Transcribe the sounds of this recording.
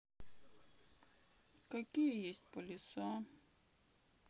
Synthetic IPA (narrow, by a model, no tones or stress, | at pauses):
kakʲijejesʲt̚ʲpolʲɪsɔ